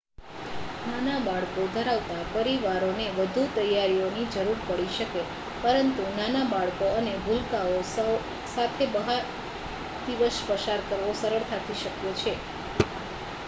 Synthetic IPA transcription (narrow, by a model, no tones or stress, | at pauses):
nanabaɭkod̪ʱəɾaʋt̪apəɾiʋaɾoneʋəd̪ʱut̪əjaɾionid͡ʒəɾuɾpəɽiʃəke | pəɾənt̪unanabaɭkoənebʱulkaos | sat̪ʰebəɦaɾ | d̪iʋəʃpəʃaɾkəɾʋosəɾəɭt̪ʰat̪ʰiʃəkjet͡ʃʰe